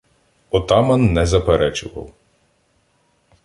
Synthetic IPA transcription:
ɔt̪ɑmɐnːɛzɐpeɾɛt͡ʃʊʋɐ̰w

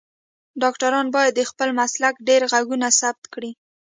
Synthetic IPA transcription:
ɖɑkʈaɾɑnbɑjad̪ːəxpəlmaslakɖeɾɣaɡunasab̚t̪kɽi

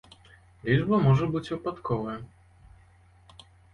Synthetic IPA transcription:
lʲid͡ʐbɐmɔʐɛbɨt͡sʲvɨpat̪kʰɔvɐ

